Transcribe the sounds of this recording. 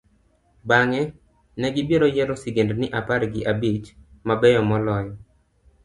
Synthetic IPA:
baŋɛ | nɛɡɪbjeɾɔjɛɾɔsiɡendnɪʔapaɾɡɪʔabit͡ʃmabɛjɔmɔlɔjɔ

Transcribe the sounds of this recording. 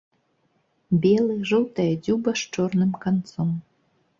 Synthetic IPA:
bʲelˠɨʒowt̪adʲubaʃt͡ʃornɨmkɑnt͡som

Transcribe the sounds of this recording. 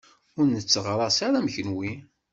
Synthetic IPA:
ʊɾnət͡sːəʁɾˤɑsaɾæmçənwi

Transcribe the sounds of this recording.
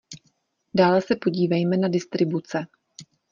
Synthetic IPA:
daːlɛsɛpo̞ɟiːvɛjmɛnadɪst̪ɾɪbut͡sɛ

